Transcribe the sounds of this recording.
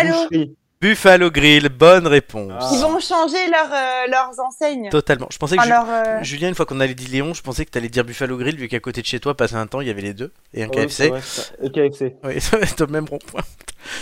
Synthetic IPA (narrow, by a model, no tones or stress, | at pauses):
aloi | b̥yfaloɡʁilbɔnʁepɔ̃sivɔ̃ʃɑ̃ʒelœʁølœʁzɑ̃sɛɲt̪ɔt̪almɑ̰̃ʒə̥pɑ̃s̬ɛklœʁøʒyljɛ̃ynfwakɔ̃nalɛd̪ileɔ̃ʒəpɑ̃sɛkə̥t̪yalɛd̪iʁbyfaloɡʁilvykakot̪ed̪əʃet̪wapasɛɛ̃t̪ɑ̃iljavɛled̪ø | eɛ̃kaɛfsẽkaɛfsewɛsavɛst̪omɛmʁɔ̃pwɛ̃t̪